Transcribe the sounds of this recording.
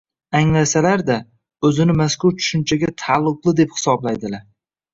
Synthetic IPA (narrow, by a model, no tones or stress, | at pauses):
aŋlasalaɾd̪a | ɵzɪnɪmaskʊɾt͡ʃʰʊ̥ʃʊnt͡ʃʰaɡʲat̪ʰalˠːʊqlˠɪd̪e̞phɪ̥sɒblajd̪ɪlaɾ